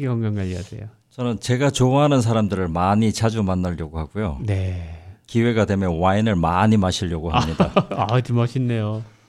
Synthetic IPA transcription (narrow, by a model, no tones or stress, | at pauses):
ɡeʌŋɡaŋɡaʎiasḛjo | t͡ɕʌnɯnt͡ɕe̞ɡat͡ɕoaɦanɯns̬ʰaɾamdɯɾɯɭmaɲit͡ɕʰad͡ʑumanːaʎjʌɡuɦaɡujonekiwe̞ɡadwe̞mjʌwainɯɭmaɲimaɕʰiʎjʌɡuɦamɲid̥atimaɕʰinːejo